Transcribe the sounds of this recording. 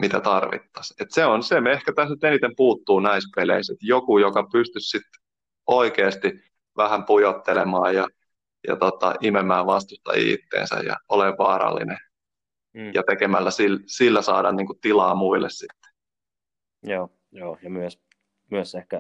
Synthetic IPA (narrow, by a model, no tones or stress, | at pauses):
mit̪æt̪ɑrʋḭt̪ːɑ̥set̪seonsemehkæt̪æsnyt̪enit̪empuːt̪ːuːnɑispelḛiset̪jokujokɑpyst̪yssit̪ | oikeːst̪i | ʋæhæmpujot̪ːelemɑːjjɑ | jɑ̰t̪ot̪ɑ̰ʔimemːæːʋʋɑst̪ust̪ɑ̰ḭːt̪ːḛːnsæ̰jɑ̰oleʋʋɑːɾɑ̰lːḭne | jɑt̪ekemælːæsilsilːæsɑːdɑ̰nniːŋkutt̪ilɑːmuilːessit̪ːe̥ | joː | joːjɑmyøs | myøsehkæ